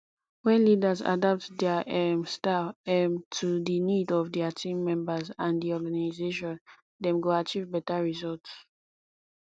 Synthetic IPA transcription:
wɛ̃nlidaza̰dap̚tdɛaʔɛmstafɛmtʰudinidɔvdiatʰĩmːɛ̃mbazãndiɔɡanizeʃɔ̃n | dɛ̃mɡoat͡ʃivbɛtaɹizɔlts

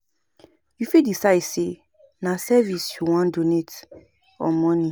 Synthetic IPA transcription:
jufidisaɪdse | nasɛvisjuwɔ̃ndonet | ɔ̰mɔ̃nĩ

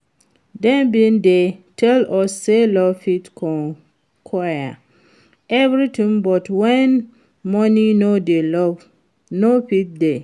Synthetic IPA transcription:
dɛ̃nbĩndetʰɛlɔsːelɔvfitkʰɔ̃n | kʰɔja̰ | ʔɛvɹitĩŋbɔtwɛ̃n | mɔninodelɔv | nofit̚de

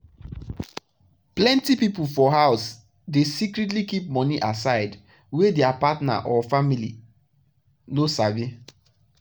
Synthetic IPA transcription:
plɛ̃ntipipufɔɦaʊs | desikɾit̬likip̚mɔ̃niʔasaɪd | wedɛapatna̰ʔɔfamilḭ | nosave

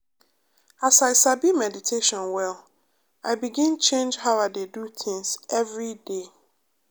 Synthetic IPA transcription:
asaɪsabimɛditʰeʃɔ̃nwɛlˠ | aɪbiɡĩnt͡ʃẽnd͡ʒhaʊaɪdeduθʰɪ̃ŋsʔɛvɹide

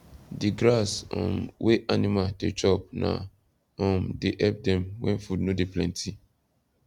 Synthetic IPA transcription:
diɡɾasɔ̰̃mweʔanimadet͡ʃɔp̚na̰ | ɔ̃mdeʔɛp̚dɛ̃mwɛ̰̃nfudnodeplɛ̃ntʰi

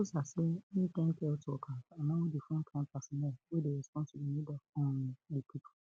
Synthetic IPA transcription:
osasen̩kɛ̃ŋ̩kɛotʊɔkʰaamãwodifʊ̃ŋ̩kʰãm̩pasɔnɛlwedeɾɛspɔ̃nsebinĩdɔkɔ̃ñdepʰipʰu̥

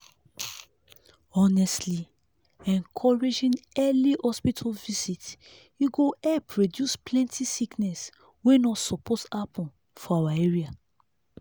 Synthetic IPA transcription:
ɔnɛstli | ɛ̃ŋkʰɔɹed͡ʒĩnɛlihɔspitʰɔlvisit | juɡoɛpʰɹodjusplɛ̃ntʰisiknɛs | wenɔtsɔpʰɔtapɔ̃n | fɔawaeɹia

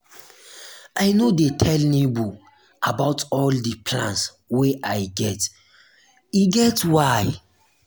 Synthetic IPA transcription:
ajnodetʰɛlnebu | abaʊtɔldipʰlã̰ns | weʔajɡɛt | iɡɛtwaj

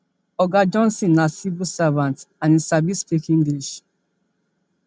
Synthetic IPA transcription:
ɔɡad͡ʒɔ̃nsĩnːasivusavãntãnisabispekĩnɡiʃ

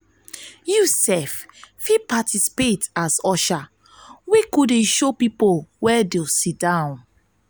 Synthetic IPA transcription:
jusɛffipatisi̥petasɔʃa | wekudeʃopipowɛdesidãʊ̃n

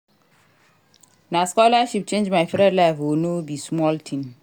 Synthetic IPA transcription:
naskɔlaʃip̚t͡ʃẽnd͡ʒmajfɾɛ̃dlafonobismɔltʰĩn

